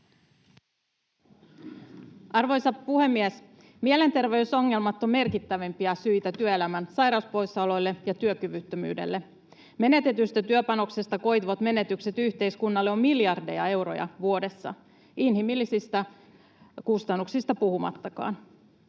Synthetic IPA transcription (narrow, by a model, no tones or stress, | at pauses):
ɑrʋo̞jsɑpuhe̞mːies | miele̞nt̪e̞rʋe̞yso̞ŋːe̞lmɑt̪ːomme̞rkit̪ːæʋempiæsyjt̪æt̪yøe̞læmænsɑjɾɑuspo̞jsːɑlo̞jlːe̞jɑt̪yøkyʋyt̪ːømy̰ːde̞̰lːe | me̞ne̞t̪e̞t̪yst̪æt̪yøpɑno̞ksest̪ɑko̞jt̪ʋot̪me̞ne̞t̪ykse̞t̪yht̪e̞ijskunːɑlːeo̞mmiljɑrdḛjɑ̰e̞wɾo̰jɑ̰ʋuo̞de̞sːɑ̰ | inhimilːisist̪æ | kust̪ɑnːuksist̪ɑpuhumɑ̰t̪ːɑkɑ̰ːn